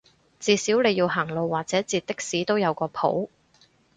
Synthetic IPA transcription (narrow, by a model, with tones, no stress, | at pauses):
t͡siː˧siː˨˥wle˨˧jiː˧wɦaː˨˩ŋlo˨˧wːaː˨k̚t͡sɛː˨˥t͡siː˧t̪̚ːɪ˥k̚siː˨˥t̪o˥wjɐ˨˧wkɔː˧pʰo̰˨˥w